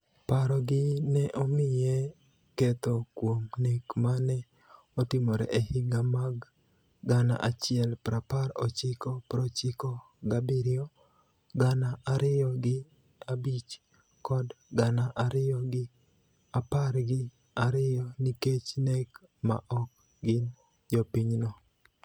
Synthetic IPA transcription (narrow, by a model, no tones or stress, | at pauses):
paɾɔɡɪnɛʔɔmɪjɛ | ket̪okwomnekmanɛ | ɔtɪmoɾɛ̰ʔehɪɡamaɡː | ana̰ʔat͡ʃɪɛlpɾapaɾɔt͡ʃɪkɔpɾɔt͡ʃɪkɔ | ɡabiɾɪɔ | ɡanaʔaɾɪjɔɡɪ | abit͡ʃ | kɔdɡanaʔaɾɪjɔɡɪ | apaɾɡɪ | aɾɪjɔniket͡ʃnɛk | ma̰ʔɔk̚ | ɡɪn | d͡ʒɔpiɲnɔ